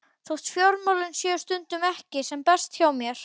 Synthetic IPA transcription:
θowht̪fjowɾmawlʏnsjœːst̪ʏnt̪ʏmɛhcɪsɛmpɛst̪çaːwmjɛɾ̥

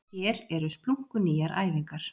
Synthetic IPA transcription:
ɛːɾɛɾʏspluŋ̥kʏniːjaɾʔa̰ːjviŋkaɾ̥

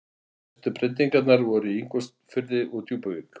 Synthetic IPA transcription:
t̪ʏpɾɪnt̪iŋkat̪naɾvɔɾʏiŋkɔst̪fʏɾðɪʔut̪ʰjuːpaviːk

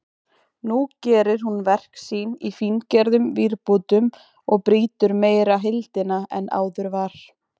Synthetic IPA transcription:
nucɛːɾɪɾ̥hunvɛr̥ksiːnifincɛɾðʏmviɾpuːt̪ʏm | ɔɣpɾiːt̪ʏɾmeːjɾaɦɪlt̪ɪnaʔɛnʔa̰ːwðʏɾvaɾ̥

